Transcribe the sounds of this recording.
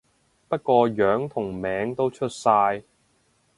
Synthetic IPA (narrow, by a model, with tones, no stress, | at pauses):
pɐ˥t̚kʷɔː˧jœː˨˥ŋt̪ʰʊ˨˩ŋmɛː˨˥ŋt̪o˥wt͡ʃʰɵ˥t̚saː˧j